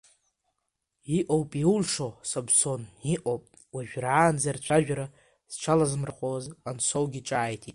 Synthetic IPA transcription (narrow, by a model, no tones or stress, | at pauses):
iʔowpʼiulʂosabso̞niʔowpʼ | waʒᶣraːnzart͡ʃʷʰaʒᶣaɾa | z̥ʈ͡ʂʰalazɨmraχʷozansowɡʲiʈ͡ʂʼaːjtʰitʼ